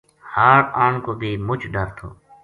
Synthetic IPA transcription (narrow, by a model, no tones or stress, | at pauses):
haːɾaːɳkoːbʱiːmʊt͡ʃʰɖəɾt̪ʰo̰ː